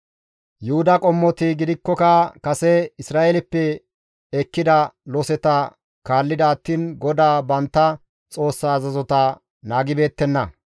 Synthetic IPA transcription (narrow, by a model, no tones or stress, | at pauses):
jʊhʊd̪ɐkʼɔmːɔt̪ɪɡɪd̪ɪkːɔkɐkɐsɛɪsɾaːʔelɪpːɛ | ɛkːɪd̪ɐlɔsɛt̪ɐ | kaːlːɪd̪ɐːt̪ːiːnɡɔd̪aːbɐnt̪ːɐ | t͡sʼo̞ːsːaːzɐzɔt̪ɐ | naːɡɪbe̞ːt̪ːɛnːɐ